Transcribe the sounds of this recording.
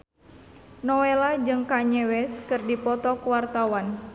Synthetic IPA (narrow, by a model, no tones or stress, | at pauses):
nɔwɛlad͡ʒɨŋkaɲɛwɛskɨrdipɔt̪ɔkuwart̪awan